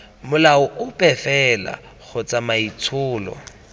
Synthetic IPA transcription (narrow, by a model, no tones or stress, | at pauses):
mʊlaʊʔʊpʼɛfɛla̰ | ɣʰʊt͡sʼamait͡sʰʊːlɔ̰